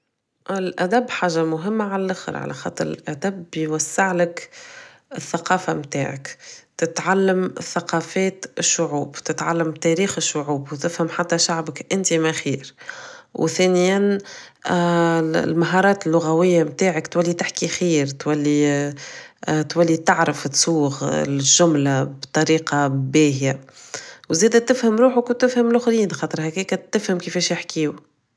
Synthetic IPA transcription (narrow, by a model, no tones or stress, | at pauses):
ɪlʔæd̪æbːħaːʒamʊɦɪmːaʕalælʔaxə̰ɾʕa̰lʔæ̰xɑ̰t̪ˤɾɪ̰lʔæd̪æbjwasːɪʕlɪk | ɪθːaqɑːfamt̪a̰ːʕa̰kt̪ɪt̪ʕalːəmθaqɑːfɛːt̪ɪʃːʊʕuːbt̪ɪt̪ʕalːamt̪ɛɾiːxɪʃːʊʕuːbwt̪ɪfhɪmħat̪ːæʃaʕbɪkʔɪnt̪imæxiːɾwθɛːnɪjan | lmaɦɑɾˤɑːt̪ɪlːʊɣæwɪjːamt̪aːʕakt̪wælːit̪ɪħkixiːɾt̪wælːi | t̪wælːit̪aʕɾəfɪt̪suːɣlʒʒʊmlabt̪ˤɑɾiːqɑbɛːhja | wzɛːd̪æt̪ɪfhəmɾuːħʊkwt̪ɪfhæmlʊxliːnxɑːt̪ˤɾˤhækɛːkæt̪ːɪfhəmkɪfɛːʃjɪħkiːʊ